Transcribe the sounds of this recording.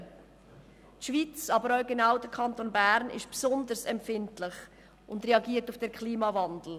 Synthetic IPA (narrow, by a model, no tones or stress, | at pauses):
tʃviːt͡sɑbəɾœʊɡenaʊdəɾkʰɑntonbæɾnɪ̰ʃpsɔndəɾsɛmpfɪntlɪχ | ʊndreɑɡiːəɾtufd̥ɛɾkʰliːmɑvɑndl̩